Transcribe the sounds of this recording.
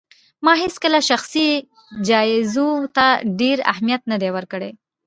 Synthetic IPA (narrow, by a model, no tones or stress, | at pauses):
mɑɦeskəlaʃaxsi | d͡ʒɑɪzot̪aɖeɾa̰hmijat̪̚nəd̪ewəɾkəɽe